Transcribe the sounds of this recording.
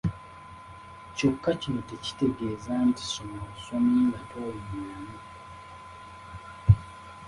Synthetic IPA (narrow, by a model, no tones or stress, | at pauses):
co̞kːacinote̞ci̥te̞ɡe̞ːzanti̥somaasomilatoːlumjana